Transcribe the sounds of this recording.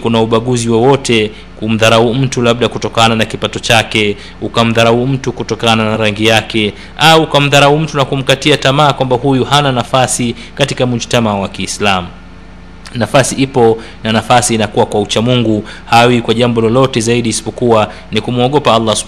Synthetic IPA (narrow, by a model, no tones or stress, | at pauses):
kunauɓaɠuziwɔwɔtʰɛ | kum̩ðaɾaum̩tulaɓ̚ɗakutɔkananakipatɔt͡ʃakɛ | ukam̩ðaɾaum̩tukutɔkananaɾaŋɡijakɛ | ʔaukam̩ðaɾaum̩tunakum̩katiatamaːkwambahujuhananafasi | katikamuʃtamawakiːslamu | nafasiʔipɔ | nanafasiːnakuwakwaut͡ʃamuŋɡu | hawikwaʄambɔlɔlɔtɛzaiɗiːsi̥pɔkuwa | nikumuɔɠɔpaalˤːas